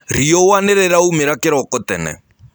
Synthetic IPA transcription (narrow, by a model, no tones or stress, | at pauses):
ɾ̤ijɔwanɛɾɛɾaumɛɾakʼɪɾɔkʼɔtɛ̰nɛ̰